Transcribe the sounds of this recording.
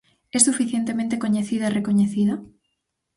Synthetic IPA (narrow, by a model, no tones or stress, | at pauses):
ɛsufiθjent̪emẽnt̪ekoɲeθiðairekoɲeθiða